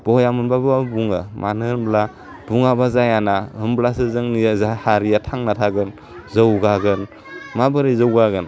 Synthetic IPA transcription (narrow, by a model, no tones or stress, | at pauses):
b̥ɔjamɯnbababuŋɯmanɯnbla | b̥uŋabazajanahɯmblasɯzɯŋnijazahaɾijatʰaŋnatʰaɡɯn | zəwɡaɡɯn | mabɯɾizɯwɡaɡɯn